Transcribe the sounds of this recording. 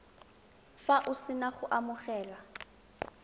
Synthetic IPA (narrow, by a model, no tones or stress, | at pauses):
faʔʊsɪnaχʊʔamʊχɛːla